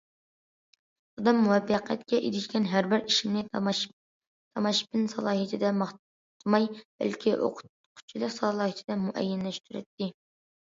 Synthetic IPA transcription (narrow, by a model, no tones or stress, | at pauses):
ɑd̪ɑmːuwɛfːæqʰɛ̰t̪kʲʰɛʔḛɾɪʃkʲɛnɦæɾbɪɾiʃimnɪ | t̪ʰɑmɑʃpɪnsɑlˠɑːɦɨt̪ʰɪd̪ɛmɑχ | t̪ʰɨmɑjb̥ɛ̰lkʲʰiʔo̰qʰʊ̥t̪ | qʰʊ̥t͡ʃʰilˠəqsɑlˠɑːɦit̪ʰɪd̪ɛmuʔɛ̰jːɛnlɛʃt̪ʰyɾɛ̰t̪ːɪ